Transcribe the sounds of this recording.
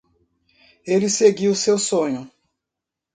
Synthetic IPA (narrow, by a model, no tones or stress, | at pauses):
eliseɡiwʊsewsõɲʊ